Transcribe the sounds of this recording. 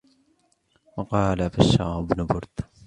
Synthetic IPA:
wɑqɑːlabaʃːa̰ːɪbnʊbʊɾd̪

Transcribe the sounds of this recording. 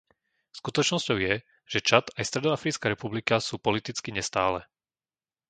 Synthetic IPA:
skut̪ɔt͡ʃnɔscɔʊjɛ | ʒ̥ɛt͡ʃat̪ajst̪ɾɛd̪ɔafɾit͡skaɾɛpublikasuːpɔlit̪it͡skiɲɛst̪aːlɛ

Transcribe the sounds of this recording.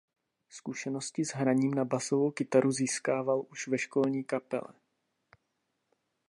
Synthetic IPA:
skuʃɛno̞scɪzɦɾaɲiːmnabaso̞vo̞wkɪt̪aɾʔuziːskaːvalʔuʃvɛʃkolɲiːkapɛ̰lɛ̰

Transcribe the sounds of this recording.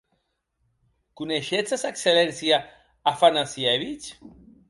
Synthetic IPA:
kuneʃet͡sasakselɛnsja | afanasieβit͡ʃ

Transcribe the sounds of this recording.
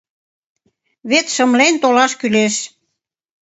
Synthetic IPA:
βet̪ʃə̆mlent̪olɑʃkyleʃ

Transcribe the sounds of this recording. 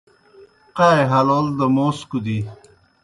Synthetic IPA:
qaːjɦɐlold̪əmoːskud̪i

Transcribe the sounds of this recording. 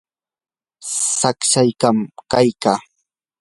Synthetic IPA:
sakʃajkamkajkaː

